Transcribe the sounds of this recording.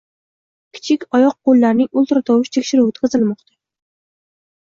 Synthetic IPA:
kʲʰɪ̥t͡ʃʰɪkʲɒjɒq̚ːolˠːaɾnɪŋʊlˠt̪ɾɑt̪ʰɒwʊʃt̪ʰekʲʃɪɾʊwt̪ʰqʰɨzɪlmɒqt̪ʰḁ

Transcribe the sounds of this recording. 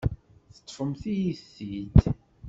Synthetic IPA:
θə̥t̪ːˤfəmθijiθːid̪

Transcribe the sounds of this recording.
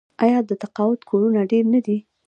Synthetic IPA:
ajɑd̪ət̪aqɑwʊt̪kʰoɾunaɖeɾnad̪i

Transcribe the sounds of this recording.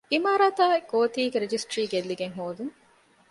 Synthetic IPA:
imaːɾaːt̪aːɡoːt̪iːɡeɾed͡ʒisʈɾiːɡelːiɡeŋɦoːd̪uŋ

